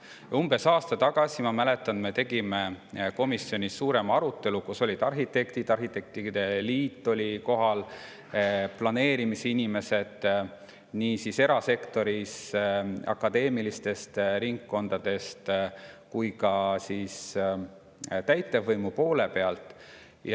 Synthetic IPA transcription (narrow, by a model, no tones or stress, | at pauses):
umb̥e̞sɑːst̪ɑt̪ɑɡ̥ɑsimɑmæle̞t̪ːˑɑnme̞t̪e̞ɡ̥ime̞ko̞misjo̞nʲisuːɾe̞mɑɑɾut̪ːˑe̞lukuso̞lid̪̥ɑrɦit̪e̞kt̪id̪̥ɑrɦit̪e̞k̚t̪id̪̥e̞liːt̪ːˑo̞lʲiko̞ɦɑl | plɑne̞ːɾimiseinime̞se̞d̪̥ | niːsise̞ɾɑse̞kt̪o̞ɾis | ɑ̰kːˑɑd̪e̞ːmilist̪e̞st̪ɾiŋkːo̞nd̪̥ɑd̪̥e̞st̪kujkɑsis | t̪æjt̪ːˑe̞vɤjmupo̞ːle̞pe̞ɑlt̪ːˑ | j